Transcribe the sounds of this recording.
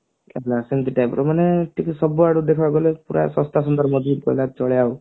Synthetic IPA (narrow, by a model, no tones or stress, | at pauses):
ɛɦlasent̪iʈajpɔɾɔmaneʈʰiksɔbuaɽud̪ekʰabɡɔlepuɾa̰sɔ̃st̪as̬ɔnd̪ɔɾmɔd͡ʒid̪kɔ̰ilat͡ʃɔɭejaw